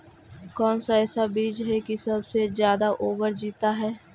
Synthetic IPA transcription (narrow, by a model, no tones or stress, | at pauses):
kɔːnsaɛːsabiːd͡ʒɦɛkisəbsezjaːd̪aʔoːbəɾd͡ʒiːt̪aɦɛː